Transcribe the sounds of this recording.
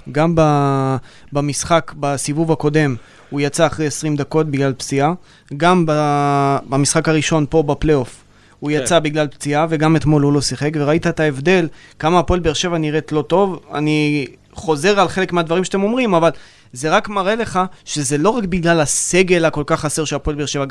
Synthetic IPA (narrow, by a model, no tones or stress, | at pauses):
ɡamba | bamisχakbasivuvako̞d̪e̞m | ujat͡saːχʁejesʁimd̪ako̞t̚biɡlalpt͡sia | ɡamba | bamisχakaʁiʃo̞npo̞baplejo̞f | ujat͡sabiɡlalpt͡siave̞ɡame̞t̪mo̞lulo̞siχe̞kveʁait̪aet̪aevd̪e̞lkamaːpoelbeeʁʃe̞vaniʁet̪lo̞t̪o̞va̰ni | χo̞ze̞ʁalχelekmead̪vaʁimʃat̪emo̞mʁimaval | ze̞ʁakmaʁele̞χaʃe̞ze̞lo̞ʁakbiɡlalase̞ɡe̞lako̞lkaχːaseʁʃeapoelbeʃe̞va